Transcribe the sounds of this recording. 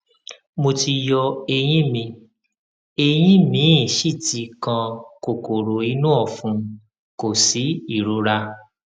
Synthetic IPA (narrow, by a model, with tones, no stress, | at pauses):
mo˧ti˧jɔ˧e˧j̃ĩ˦mĩ˧ | e˧j̃ĩ˦mĩ˨˦˨ʃi˦˨ti˨˧˦kã˧ko˨ko˨ɾo˨i˧˦nũ˦ɔ˦˨fũ˧ | ko˨si˨˦i˦˨ɾu˨˦ɾa˧